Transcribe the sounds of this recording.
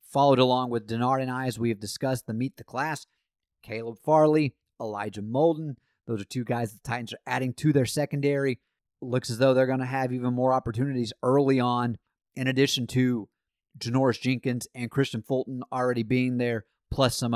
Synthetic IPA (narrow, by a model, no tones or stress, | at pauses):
fɑlˠoʊɾəlɔ̃ŋwɨðdɨnɑɹɾɨ̃naɪzwiɨvdɨskʌs̚ðɨmit̪̚ðɨkʰl̥æs | kʰeɪlˠəb̥fɑɹlˠi | əlaɪd͡ʒɨmoʊlˠdn̩ | ðoʊzə˞tʰʉɡaɪzððtʰaɪʔn̩zə˞ʔæɾɪ̃ŋtʰɨðə˞sɛkɨ̃ndɛɹi | lʊksɨzðoʊðə˞ɡʌñɨɨvivə̃nmɔɹɑpə˞tʰʉnɨɾizɜ˞lˠiə̃n | ʔɨ̃ñɨdɪʃn̩tʰɨ | d͡ʒɨnɔɹɨsd̥ʒ̥ɪ̃ŋkɨ̃nzɨ̃nkʰɹ̥ɪst͡ʃɨ̃nfɔlˠʔn̩l̩ˠɹɛɾibiɪ̃ŋðə˞ | pʰl̥ʌsʌ̃m